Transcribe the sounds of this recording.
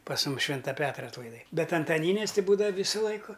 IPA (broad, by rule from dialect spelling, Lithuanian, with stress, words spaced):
pɐs ˈmʊm ˈʃʲʋʲɪntɐ ˈpʲæːtrɐ ɐtlˠɐɪˈdɐɪ ˈbʲɛt ɐntɐˈnʲiːnʲeːs tʲɪ ˈbuːdɐʋɐ ˈʋʲiːsʊ ˈlˠɐɪkʊ